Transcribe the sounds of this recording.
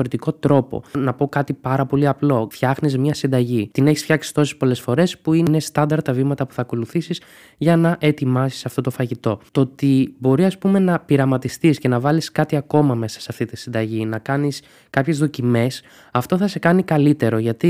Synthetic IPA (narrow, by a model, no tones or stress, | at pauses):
oɾet̪iko̞t̪ɾo̞po̞̰nɐpo̞kɐt̪ipɐɾɐpo̞liɐplo̞fçɐxnizmɲɐsind̪ɐʝit̪ineçi̥sfçɐksi̥st̪o̞si̥spo̞le̞sfo̞ɾe̞spuinest̪ɐnd̪ɐɾt̪ːɐvimɐt̪ɐpu̥θɐːko̞luθisis | ʝɐnɐʔe̞t̪imɐsi̥sɐft̪o̞t̪o̞fɐʝit̪o̞t̪ot̪ibo̞ɾiɐspume̞nɐpiɾɐmɐt̪ist̪isce̞nɐvɐliskɐt̪iɐko̞mɐme̞sɐ̥seɐft̪it̪isind̪ɐʝinɐkɐnis | kɐpçe̞zðo̞cime̞s | ɐft̪o̞θɐse̞kɐnikɐlit̪e̞ɾo̞ʝɐt̪i